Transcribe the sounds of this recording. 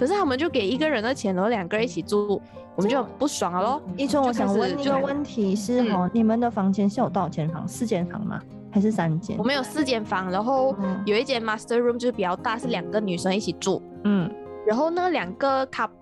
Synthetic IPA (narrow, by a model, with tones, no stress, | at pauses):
kʰɤ˨˩ʂɻ̩ʰ˥a˥wm˧˦nt͡ɕjo˥˩ʊke˨˩ɪi˧˥ɡə˨ɻə˧˥nd̪ə˧t͡ɕʰjɛ˧˥nɻa˧˥˩ljɑ˨˩ŋɡə˧ɻə˧˦i˥t͡ɕʰi˨˩t͡su˥˩ | wɔ˨˩mə˦t͡ɕjo˥˩˨pu˥˩swɑ˨˩ŋə˦lɔ˧˦i˥˧t͡sʰwə˥ŋwɔ˦ɕjɑ˧˨˩ŋwə˥˨ni˥ɡə˨wə˥˩nt̪ʰi˧˥ʂɻ̩˥˩ɦɔ˧˩ni˨˩mə˨˦nd̪ə˨fɑ˧˥ŋt͡ɕʰɛ˧˥nʂɻ̩˥˩jo˨˩ʊt̪ɑ˥˩ʊt͡ɕʰjɛ˧˥nfɑ̰˧˥ŋsɹ̩˥˧t͡ɕjɛ˥˩nfɑ̰˧˥ŋmɐ̰˨˦ | xa˧˥ɪʂɻ̩˥˩sa˦˥nt͡ɕjɛ̰˥˩˦wɔ˨me˧˥jo˨˩ʊsɹ̩˥˧t͡ɕjɛ˥˩nfɑ˧˥ŋɻa˧˥nxo˥˩ʊjo˨˩ʊi˥˩t̪jɛ˧˥nma˥st̪ə˧ɻu˥˧mt͡ɕo˥˧˩pi˨˩t͡ɕjɑ˥˧ʊt̪a˥˧ʂɻ̩˥˩ljɑ˨˩ŋɡə˦ny˨˩ʂə˧˥ŋi˥˩t͡ɕʰi˨˩t͡sṵ˥˩ | n̩˥˩ | ɻa˧nxo˥˧ʊnə˥˩ljɑ˨˩ŋɡə˧kʰa˧˥p̚